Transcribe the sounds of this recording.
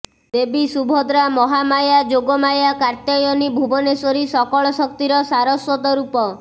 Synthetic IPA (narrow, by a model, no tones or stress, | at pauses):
d̪ebisubʱɔd̪ɾamɔɦamajad͡ʒoɡɔmajakaɾt̪jɔjɔnibʱubɔnesɔɾisɔkɔɭɔsɔk̚t̪iɾɔsaɾɔswɔt̪ɔɾupɔ